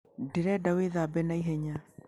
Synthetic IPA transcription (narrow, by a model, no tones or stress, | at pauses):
deɾɛdaweðabɛnaiɦɛɲa